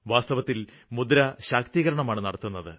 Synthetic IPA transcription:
ʋaːst̪ɐʋɐt̪ːil | mud̪ɐɾɐɕaːk̚t̪iɣɐɾɐɳɐmaːɳɨnɐɽɐt̪ːunːɐðɨ

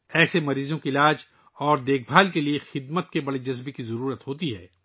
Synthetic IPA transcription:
ɛːsemɐɾiːzõkiɪlaːd͡ʒ | ɔːɾd̪eːk̚ʰbʱaːlkeliexɪd̪mət̪̚kebɐɽed͡ʒɐzbekizɐɾuːɾət̪ɦoːt̪iɦɛ̰ː

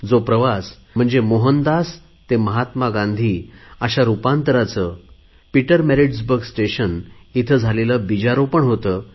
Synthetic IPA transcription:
d͡zopɾəʋas | m̤əɳd͡zemoɦənd̪as | t̪eməɦat̪maɡãnd̪ʱiːəɕaɾupãnt̪əɾat͡səː | piʈəɾmeɾiɖsbəɾɡsʈeɕənit̪ʰəd͡zʱaleləbid͡ʑaɾopəɳɦot̪əː

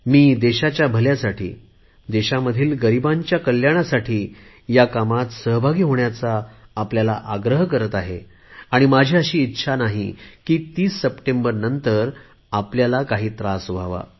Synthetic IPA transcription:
miːd̪eɕat͡ɕjabʱəljasaʈʰḭː | d̪eɕaməd̪ʱiːlɡəɾibaɲt͡ɕjakəljaɽ̃asaʈʰiː | jakamat̪səɦbʱaɡiːɦoɳjat͡saːpljalaʔaɡɾəɦkəɾət̪aɦe | aɽ̃imad͡ʑʱiːəɕiːt̪ːɕʰanaɦikiːt̪iːsːəpʈembəɾnənt̪əɾ | apljalakaɦiːt̪ɾasʋʱaʋa̰

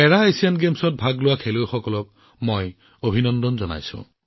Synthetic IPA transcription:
ɛɹaejsianɡemsɔt̚bʱaɡlʊwakʰelojxɔkɔlɔk̚ | moj | obʱinɔndɔnzɔna̰jsʊ̰̃

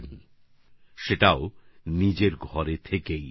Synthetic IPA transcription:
n | ʃeʈaonid͡ʑeɾɡʱɔɾet̪ʰekej

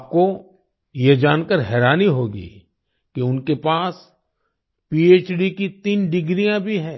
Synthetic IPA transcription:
p̚ko | jed͡ʒaːnkəɾɦɛːɾaːniɦoːɡḭː | kiʊnkepaːs | piːeːt͡ʃɖikit̪iːnɖɪɡɾijãbʱiɦɛ̃ː

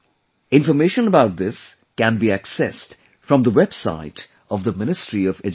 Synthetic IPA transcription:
ɪ̃nfəmeːʃə̃nəbaʊt̚d̪ɪs | kæ̃nbiæksɛst | fɹʌ̃md̪əwɛb̥sa̰ɪt | ʌvðəmɪnɨstɹiɔvɛd͡ʒ

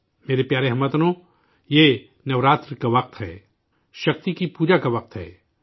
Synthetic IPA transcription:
meːɾepjaːɾeɦɐmːɐt̪nõ | je | nɐʋɾaːt̪ɾkaʋɐq̚t̪ɦɛ̰ː | ʃɐq̚t̪ikipuːd͡ʒakaʋɐq̚t̪ɦɛ̰ː

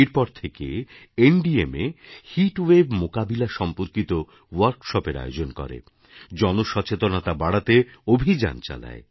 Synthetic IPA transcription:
iɾpɔɾt̪ʰekeeɳɖiemehiʈwebmokabilaʃɔmpoɾkit̪o | waɾɡʃɔpeɾa̰jod͡ʑonkɔ̰ɾḛ | d͡ʑɔnoʃɔt͡ɕet̪onat̪abaɽat̪eobʱid͡ʑa̰nt͡ɕa̰la̰e

